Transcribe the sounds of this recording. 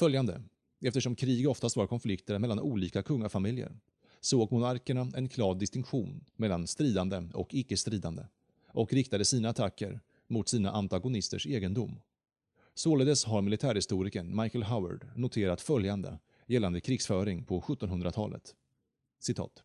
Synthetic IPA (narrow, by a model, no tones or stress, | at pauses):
fœljand̪ə̰ | ɛft̪əʂɔmkʰɾiːɡɔft̪ast̪ɑːɾ̚kʰɔnflɪkt̪əɾmɛlːanʔuːliːkakʰɵŋːafamɪljə̰ɾ | soːɡmʊnaɾkəɳaɛnkʰlɑːvd̪ɪst̪ɪŋkɧuːnmɛlːanst̪ɾiːd̪and̪əɔ̰kɪkːəst̪ɾiːd̪and̪ə̰ | ʔɔkɾɪk̚t̪ad̪əsiːnaːt̪ʰakːə̰ɾ | mʊt̪siːna̰ʔant̪aɡʊnɪst̪əʂeːɡənd̪ʊmː | soːləd̪ɛsɦaɾmɪlɪt̪ʰæːɾhɪst̪uːɾɪkənmajkəlɦawa̰ɖnʊt̪ʰeːɾat̪fœljand̪ə̰ | jɛlːand̪əkʰɾɪɡsfœːɾɪŋpʰɔɧɵt̪ːɔnɦɵnd̪ɾat̪ʰɑ̰ːlə̰t̪ | sɪt̪ʰɑ̰ːt̪